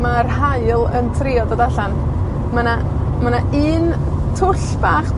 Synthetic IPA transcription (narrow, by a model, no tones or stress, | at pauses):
marhaɨlˠə̰ntʰrɪɔdadaɬan | mana | manaiːn | tʰʊɬb̥aχ